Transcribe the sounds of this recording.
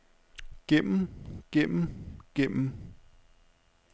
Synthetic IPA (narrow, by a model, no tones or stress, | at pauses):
ɡ̥em̰m̩ɡ̥em̰m̩ɡ̥em̰m̩